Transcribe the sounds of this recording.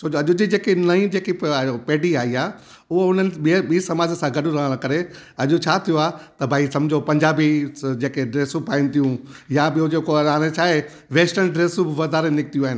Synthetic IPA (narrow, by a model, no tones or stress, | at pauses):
soːd͡ʑoɐʄʊd͡ʑid͡ʑeːkenɐĩd͡ʑeːkipeːɖiaːɦiaː | ʊɦoʊn̤ənɪ̆ɓiɓiːsɐmaːd͡ʑəsãɡɐɗũɾɐɦəɽ̃kɐɾe | ɐʄot͡ɕʰaːt̪ʰijoaːt̪ɐbʱaːisɐ̃md͡ʑʱopɐ̃ɲd͡ʑaːbid͡ʑeːkeɖɾeːsupaːĩnɪt̪ijũjabɪod͡ʑeːkoaːɽ̃ẽt͡ɕʰaːɦe | ʋeːsʈənɖɾeːsũbɪʋɐd̪aːɾenɪk̚t̪ijũaːɦɪnɪ